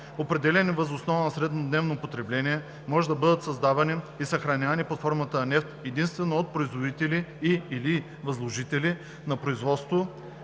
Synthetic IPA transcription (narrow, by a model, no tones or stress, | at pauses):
opɾɛd̪ɛlʲɛnivɐzosnɔvɐnɐsɾɛd̪nod̪nɛvnopot̪ɾɛblɛniɛ | mɔʒɛd̪ɐbɤd̪ət̪sɐzd̪avɐniisɐxɾɐnʲavɐniplˠɐt̪fɔɾmət̪əɐnɛft̪ɛd̪inst̪vɛnoot̪̚pɾoizvod̪it̪ɛliːli | vɐzlˠoʒit̪ɛli | nɐpɾoizvɔt̪st̪vo